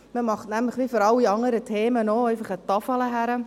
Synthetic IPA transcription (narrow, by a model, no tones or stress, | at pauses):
məmɑχtnɛməχʋifoːɾɑliɑŋəɾətʰeːmənoːeːvəχətɑfələɦɛɾə